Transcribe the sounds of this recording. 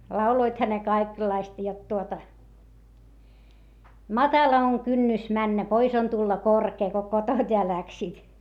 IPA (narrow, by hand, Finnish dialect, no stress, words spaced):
lɑuloithɑ ne kɑikelːɑistɑ jot tuotɑ mɑtɑlɑ oŋ kynːys mænːæ pois on tulːɑ korkeː ko koton̆t jɑ læksiːt